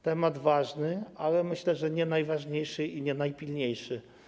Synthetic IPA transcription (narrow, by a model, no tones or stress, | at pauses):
t̪ɛmad̪vaʐnɘalɛmɘɕlɛʐɛɲɛnajvaʐɲejʂɘʔiɲɛnajpʲilɲejʂɘ